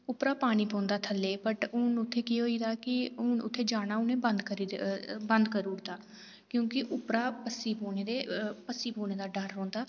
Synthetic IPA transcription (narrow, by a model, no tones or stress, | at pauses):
ʊpɾaːpaːɽ̃iːpõːnd̪aːt̪ʰəlːeːpəʈʊnʊt̪ʰːeːkiːɦoːiːd̪aːkɪʊnʊ̰t̪ʰːeːd͡ʒaːnaːʊnẽːbənd̪kəɾiːbənd̪kəɾuːɽd̪aː | kjõːkɪʔʊpɾaːpəsiːpoːneːd̪eːpəsːiːpoːneːd̪aːɖəɾːõːnd̪aː